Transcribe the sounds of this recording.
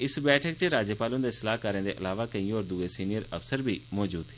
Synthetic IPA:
ɪsbɛːʈʰəkt͡ʃəɾaːd͡ʒəpaːlʊ̃nd̪eːsɪlaːɦkaːɾẽːd̪eːʔə̰laːʋaːkəĩːɔːɾd̪uːeːsiːnɪjəɾəfsəɾbʱiːmɔːd͡ʒuːd̪ɦɛː

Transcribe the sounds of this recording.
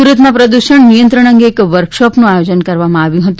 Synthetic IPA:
uɾət̪mãpɾəd̪uʃəɳnijə̃nt̪ɾəɳ̃ə̃ŋɡeːkʋəɾkʃopnũajod͡ʒənkəɾʋamãaʋjũɦət̪ũ

